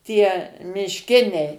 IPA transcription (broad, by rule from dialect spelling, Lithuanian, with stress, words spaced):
ˈtʲiɛ mʲɪʃʲˈkʲɪnʲɛɪ